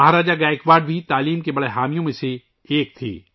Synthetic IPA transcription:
ɐɦɾaːd͡ʒaɡaːɪkʋaːɖ̚bʱit̪aːliːmkebɐɽeɦaːmijõmẽse | eːk̚t̪ʰḭː

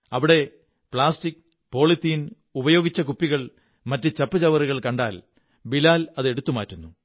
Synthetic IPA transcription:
ɐʋiɽe̞ | pɭaːstikː | po̞ːɭit̪ːijn | ubɐjo̞ːɡit͡ɕːɐkupːiɣɐɭ | mɐtːɨt͡ɕɐpːɐt͡ɕɐʋɐriɣɐɭkɐɳɖaːl | bilaːlɐðe̞ɽut̪ːumaːtːunːu

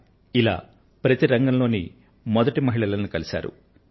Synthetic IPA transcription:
ila̰ː | pɾɐt̪iɾɐŋɡɐmlo̞ːnḭ | mɔd̪ɐʈimɐɦiɭɐlɐnukɐlisa̰ːɾṵ

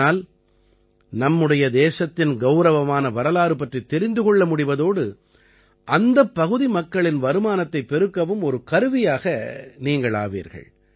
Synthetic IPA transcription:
aːl | nɐmːɯɽɐjɐd̪eːsɐt̪ːɪnɡɐʊɾɐʋɐmaːnɐʋɐɾɐlaːɾɯpɐʈrit̪ːɛɾɪnd̪ɯkɔɭːɐmʊɽɪʋɐðoːɽɯ | ʔɐnd̪ɐpːɐɣɯðimɐkːɐɭɪnʋɐɾɯmaːnɐt̪ːɐɪpːɛɾɯkːɐʋɯmɔɾɯkɐɾɯʋɪjaːɣɐniːŋɡɐɭa̰ːʋḭːɾɣɐ̰ɭ

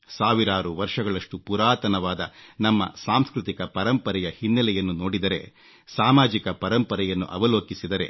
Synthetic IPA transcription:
saːʋiɾaːɾuʋɐɾʂɐɡɐɭɐʂʈupuɾaːt̪ɐnɐʋaːd̪ɐnɐmːɐ̰saːmskɾut̪ikɐpɐɾɐmpɐɾɛjɐhinːɐlɛjɐnːuno̞ːɽid̪ɐɾe̞̰ | saːmaːd͡ʒikɐpɐɾɐmpɐɾɛjɐnːṵʔɐʋɐloːkisid̪ɐɾe̞̰

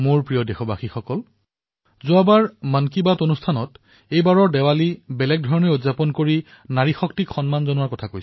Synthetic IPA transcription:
moɹpɹijɔdexɔbaxixɔkɔl | zʊabaɹmankibatonustʰanɔt | ejbaɹɔɹdɛwalibɛlɛk̚dʱɔɹɔneodzapɔnkoɹi | naɹixɔktikxɔnmanzɔnʊwaɹkɔtʰakojsɛ̥

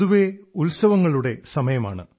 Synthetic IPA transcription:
uʋe̞ulsɐʋɐŋːɐɭuɽe̞sɐmɐjɐmaːɳɨ̰

